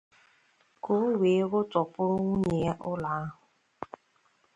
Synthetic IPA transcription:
ko˦we˨˦ɣʊ˦tʊ˨pʊ˦ɾŋu˦ɲe˨˦ʔʊ˦la˨a˦ɦʊ˨

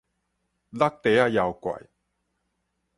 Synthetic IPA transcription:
lɐ˥k̚t̪e˨˧jaː˧jɐ˨˧wkʷɐ̰˨˩j

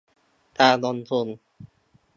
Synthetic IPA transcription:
t̪aː˧nɔ˧nsu˧˩n

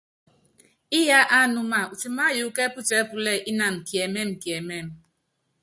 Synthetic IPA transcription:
i˦ja˦ʔa˦˨nu˦ma˦˨u˨t͡ʃi˨ma˦ju˨˦kɛ˦pu˦t͡ʃɛ˦pu˦lɛ˦˨ʔi˦na˨n̩˨kjɛ˨mɛ˦˨m˨kjɛ˨mɛ˦˨m

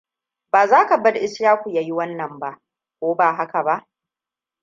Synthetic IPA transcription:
baː˨zaː˦ka˨bɐ˦ɽʔɪ˦sɾaː˦kʷu˨jaː˨˦ji˦wɐ˦nːɐ˨mba˦ʔ | kʷoː˦baː˨ɦa˦ka˨ba˦ʔ

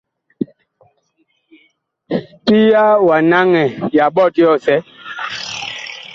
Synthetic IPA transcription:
pi˦ja˦wa˨na˦ŋɛ˨ja˨ɓɔ˦˨ti˦jɔ˦˨sɛ˦

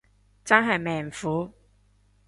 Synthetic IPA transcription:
t͡sɐ˥nɦɐ˨jmɛː˨˩ŋfuː˨˥

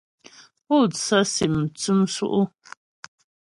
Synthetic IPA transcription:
po˦˨sa˦si˨m̩˨t͡su˦msṵ˦ʔu˦

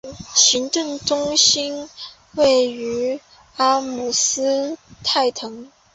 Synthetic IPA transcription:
ɕi˧˥ŋʈ͡ʂɤ˥˩ŋʈ͡ʂʊ˥ŋɕi˥n | we˥˩ɪy˧˥ | a˥mu˨˩sɹ̩˥t̪ʰa˥˩ɪt̪ʰɤ˧˥ŋ

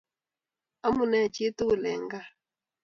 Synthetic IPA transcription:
a˦mu˨nɛ˦˨t͡ʃe˦tu˦˨lɛ˨ŋɡa˦

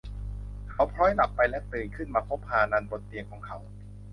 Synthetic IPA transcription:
kʰa˨˦˥wpʰɾɔː˦˥jla˨˩pːa˧jlɛ˦˥t̪ɯː˨˩nkʰɯ˥˩nmaː˧pʰo˦˥p̚haː˧naː˧nbo˨˩t̪ːi˧əkʰɔː˨˦ŋkʰa˨˦˥w

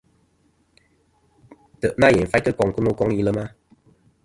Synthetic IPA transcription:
tə˨ʔna˦˨jɛ˨nfa˦kə˦kɔ˨ŋku˦no˦˧kɔ˦ŋi˧˨lə˧ma˦

